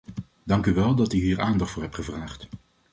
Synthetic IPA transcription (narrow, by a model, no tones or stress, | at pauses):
dɑŋkyʋɛlˠdɑtyɦiːɹaːndɑχtfʊːɹɦɛpχəvraːχt